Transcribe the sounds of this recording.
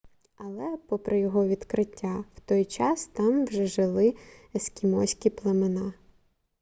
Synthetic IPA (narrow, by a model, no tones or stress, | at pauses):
ɐlˠɛpɔpɾɪjɔɦɔʋʲid̪kɾɪtʲːaw̥t̪ɔjt͡ʃɑst̪ɑmwʒɛʒɪlˠɪeskʲimɔsʲkʲiplˠɐmenɑ